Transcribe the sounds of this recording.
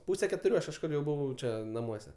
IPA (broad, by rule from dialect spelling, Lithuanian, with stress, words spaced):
ˈpuːsʲɛ kʲɛtʊˈrʲuː ˈɐʃ kɐʃˈkʊr jɛʊ ˈbʊʋɐʊ ˈt͡ʃʲɛ nɐˈmuɔsʲɛ